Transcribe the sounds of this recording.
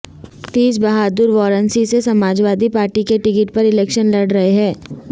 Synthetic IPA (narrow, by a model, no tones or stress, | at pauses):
t̪iːsbɐɦaːd̪ʊɾʋɔːɾənsisesɐmaːd͡ʒʋaːd̪ipaːɾʈikeʈɪkɪʈ̚pɐɾɪlɛːkʃənlɐɽɾɐɦeɦɛ̃ː